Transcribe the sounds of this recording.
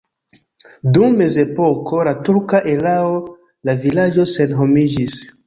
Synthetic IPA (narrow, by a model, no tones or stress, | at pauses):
dumːe̞ze̞po̞kʰo̞latuɾkaʔelao | lavilad͡ʒo̞se̞nɦomid͡ʒis